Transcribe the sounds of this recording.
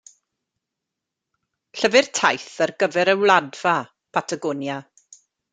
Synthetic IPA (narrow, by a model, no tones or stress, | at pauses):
ɬəvɪrtʰajθərɡəvɛɾəwlˠadv̥a | pʰatʰaɡɔnja